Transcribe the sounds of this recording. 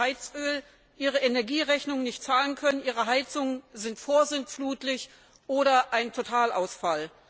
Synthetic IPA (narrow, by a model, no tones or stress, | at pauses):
aɪt͡sʔøːl | ʔiːʁ̞əenɛɐɡiːʁɛçnʊŋənɪçtt͡saːlənkʰœnənʔiːʁ̞əɦaɪt͡sʊŋənzɪntfoːɐzɪnfluːtlɪç | ʔoːɾɐʔaɪntʰotʰaːlʔa̰ʊsfal